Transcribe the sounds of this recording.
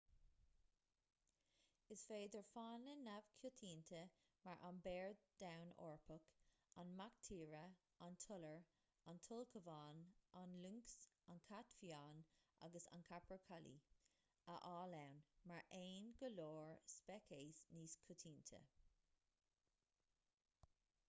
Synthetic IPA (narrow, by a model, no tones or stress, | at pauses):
ɪsfeːd̪əɹfaːnənav̥kʰjʊtʰiːnt̪ʰə | maɹʔanbɛːɹdd̥awno̰ːɹpʰək | anmakt̪ʰiːɹə | antʰʊləɹ | antʰʊlkʰəvaːnanluŋks | ankʰatfjaːnʔa̰ɡəsa̰nkʰapʰəɹkʰalḭ | əʔaːlawnmaɹʔeːnɡəloːɹspɛkʰeːsniːskʰʊtʰiːnt̪ʰə̰